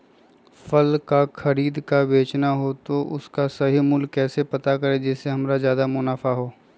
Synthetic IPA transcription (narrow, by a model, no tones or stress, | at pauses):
fɐlkaxɐɾiːd̪kabeːt͡ʃnaɦot̪oʔʊskasɐɦimʊlkːɛːsepɐt̪akɐɾed͡ʒɛːseɦɐmɾazjaːd̪amʊnaːfaɦoː